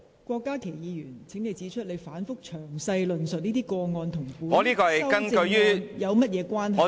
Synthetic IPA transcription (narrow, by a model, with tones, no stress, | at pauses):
kʷɔː˧kːaː˥kʰe˨˩jjiː˨˧jyː˨˩nt͡sʰɪ˨˥ŋne˨˧jt͡siː˨˥t͡ʃʰɵ˥t̚le˨˧jfaː˨˥nfʊ˥k̚t͡ʃʰœː˨˩ŋsɐ˧jlɵ˨nsɵ˨t̚niː˥t̪iː˥kɔː˧ŋɔː˧nt̪ʰʊ˨˩ŋfuː˨˥ŋɔː˨˧liː˥kɔː˧hjɐ˥kɐ˥nkɵ˧jjyː˥jɐ˨˧wmɐ˥t̚jɛː˨˧kʷwaː˥nɦɐ˨˧